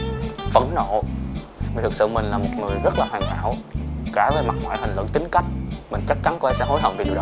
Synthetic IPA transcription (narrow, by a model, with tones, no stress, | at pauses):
fə̰˧˩nno̰˧˨ | vi˨˩t̪ʰɨ˨˩sɨ̰˧˨mï˨˩ŋ̟laː˨˩mo˨˩t̚ŋɨ˨˩əjzə˦˥t̚laː˨˩haː˨˩ŋha̰ː˧˨wkaː˧˩ve˨˩jma˨˩t̚ŋwa̰ː˧˨jhï˨˩ŋ̟lwɨ̰˧˨ŋt̪ï˨˦ŋ̟ka˦˥jk̟̚mï˨˩ŋ̟t͡ɕa˦˥k̚t͡ɕa˨˦nkɔ˧ʔaː˧˩sɛ̰˧˥˦ɦo˧˦jɦə̰˧˨wŋ͡mvi˧˩˨ɗɗ